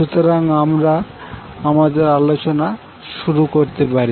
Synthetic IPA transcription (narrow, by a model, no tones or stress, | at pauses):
ʃut̪oɾaŋamɾa | amad̪eɾalot͡ɕona | ʃuɾukoɾt̪epaɾi